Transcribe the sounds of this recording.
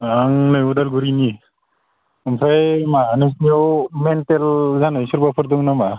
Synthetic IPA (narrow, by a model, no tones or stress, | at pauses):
aŋnɯudalɡuɾini | mpʰajmanɯs̬niɔmɛntɛlzanɯsuɾbapʰɔɾd̪ɔŋnama